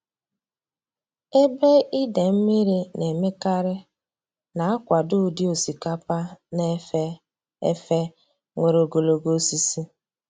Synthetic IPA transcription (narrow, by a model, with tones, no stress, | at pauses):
e˦be˦i˦de˨m̩˦mi˦ɾi˦ne˨me˦ka˦ɾɪ˦ | na˨a˦kʷa˨dʊ˦˨di˦o˨si˨ka˦pa˦ne˦ | e˦fe˦ | ŋʷe˨ɾo˨ɡo˨lo˨ɡo˦si˦si˦